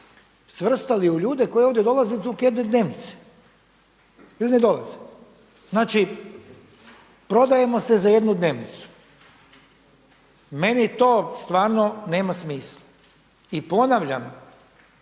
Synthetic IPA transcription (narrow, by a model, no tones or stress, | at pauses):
sʋr̩st̪aliuʎuːd̪e̞ko̞jeoʋd̪ʲjed̪o̞lˠazet̪ukjed̪ned̪ne̞ːʋnit̪se̥ | iline̞d̪o̞laze | znaːt͡ʃi | pɾo̞d̪aje̞mo̞se̞zajed̪nud̪ne̞ːʋnit̪su̥ | me̞nit̪o̞ːst̪ʋaːɾnone̞ːmasmiːsla | ipo̞naʋʎam